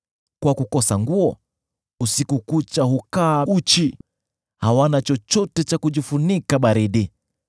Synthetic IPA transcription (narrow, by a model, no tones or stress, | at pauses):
kwakukɔsaŋɡuɔ | usikukut͡ʃahukaut͡ʃi | hawanat͡ʃɔt͡ʃɔtɛt͡ʃakuʄifunikaɓaɾiɗi